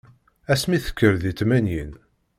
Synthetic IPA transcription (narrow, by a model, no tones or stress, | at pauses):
æsmiθə̥kʰːəɾðit͡s̪ːmænjin